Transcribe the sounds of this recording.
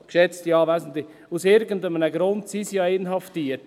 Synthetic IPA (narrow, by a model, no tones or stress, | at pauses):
kʃɛt͡stiɑːvæɪsn̩t̪lɪ | usɪɾɡən̩dəmənəɡɾʊntsisijɑenɦɑftiət